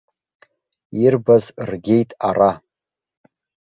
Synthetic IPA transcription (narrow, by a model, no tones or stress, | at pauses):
irbazrɡʲe̞jtʼara